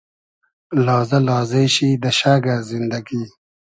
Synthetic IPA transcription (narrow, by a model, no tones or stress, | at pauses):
lɔːzɐlaːzeɕiːd̪ɐɕaːɡazind̪ɐɡi